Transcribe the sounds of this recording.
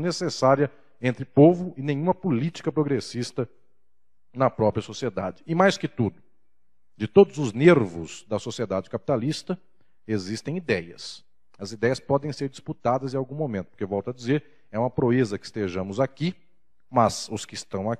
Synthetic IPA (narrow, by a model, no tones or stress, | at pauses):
nesesaɾjɐ | ẽnt̪ɾɪpovʊɪnẽj̃ũmɐpulit͡ʃi̥kɐpɾoɡɾesist̪ɐ | nɐpɾɔpɾjɐsosied̪a̰d͡ʒɪɪmajskɪt̪ud̪ʊ | d͡ʒɪt̪od̪ʊzʊzneɾvʊz̥d̪ɐsosied̪ad͡ʒɪkapi̥t̪alist̪ɐ | ezist̪ẽj̃id̪ɛjɐ̰s | ɐzid̪ɛjɐspɔd̪ẽj̃seɾd͡ʒisput̪ad̪ɐzẽawɡũmomẽt̪ʊpʊɾkevɔwt̪ɐd͡ʒizeɾ | ɛũmɐpɾoezɐkɪ̥st̪eʒɐ̃mʊzaki | mɐz̥ʊskɪst̪ɐ̃w̃a